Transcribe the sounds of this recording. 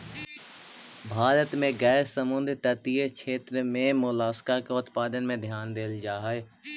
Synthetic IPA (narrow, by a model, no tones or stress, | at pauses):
bʱaːɾət̪mẽɡɛːɾsəmʊ̃nd̪ɾt̪ət̪iːəkʃʰeːt̪ɾmẽmʊlaːskakeʊt̪paːd̪ənmẽd̪ʱjaːnd̪eːld͡ʒaːɦeː